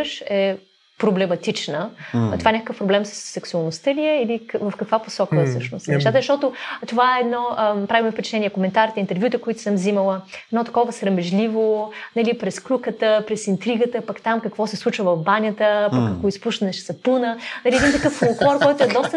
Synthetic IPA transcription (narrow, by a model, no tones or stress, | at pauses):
ʃɛ | pɾoblɛmɐt̪it͡ʃnət̪ovaɛnʲakə̥kəfpɾoblɛmsə̥sːɛksuɐlˠnʊst̪əliɛilikvɐfkɐkvaposɔkəfsɤsʃnost̪nɛʃt̪at̪əzɐʃt̪ɔt̪ʊt̪ovaɛːd̪nɔpɾavimɛfpɛt͡ʃɛ̥t̪ɛnijɛkomɛnt̪aɾʲit̪ɛint̪ɛɾvʲjut̪əkoit̪ʊ̥sɤmziməlˠəɛd̪nɔt̪ɐ̥kɔvəsɾɐmɛʒlivonɐlipɾɛsklʲukət̪əpɾɛsint̪ɾiɡət̪əpɐkt̪amkəkvɔsɛslˠut͡ʃvəvɐvbanʲət̪əpɐkːɐkoispuʃt̪ɐnɛʃɛsɐpunənɐliɛd̪int̪ɐkəfolˠklˠɔɾkɔjt̪ʊɛd̪ɔst̪ə